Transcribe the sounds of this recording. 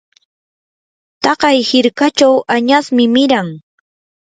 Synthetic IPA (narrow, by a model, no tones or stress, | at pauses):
t̪ɑɢɑjhɪɾkat͡ʃawaɲasmɪmɪɾaŋ